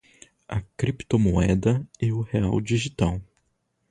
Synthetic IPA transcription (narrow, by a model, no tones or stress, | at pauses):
ɐ̰kɾipt̪omoɛd̪ɐɪʊheawd͡ʒiʒit̪aw